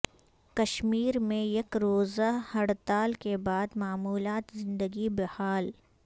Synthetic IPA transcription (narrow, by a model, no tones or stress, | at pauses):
kɐʃmiːɾmẽjekɾoːzahɐɽt̪aːlkebaːd̪maːmuːlaːt̪zɪ̃nd̪əɡibɐhaːl